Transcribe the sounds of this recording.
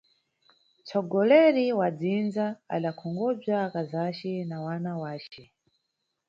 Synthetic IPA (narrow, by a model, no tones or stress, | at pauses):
t͡sʰɔɡɔlɛɾiwad͡zind͡zaa̰ɗakʰɔŋɡɔb͡ʐakazat͡ʃɛnawanawaːt͡ʃɛ